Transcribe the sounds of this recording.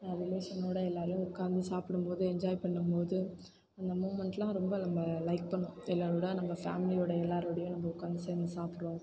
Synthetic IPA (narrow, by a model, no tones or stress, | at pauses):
nɐʋɪleːsɐnːoːɽɐɛlːaːɾjʊ̃ʊkːaːnd̪ɯsaːpɪɽɯmpoːðɯɛɲd͡ʒaːjpɐɳːɯmpoːðɯ | ɐnd̪ɐmuːʋmɛɳʈlãːɾɔmbɐnɐmbɐlɐɪk̚pɐɳːʊ̃ɛlːaːɾoɽɐnɐmːbɐfa̰ːmɪlɪjoːɽɐɛlːaːɾʋɐɽɐjʊ̃nɐmbɐʊkːaːnd̪seːɾnd̪ɯsaːpɪɽʋõː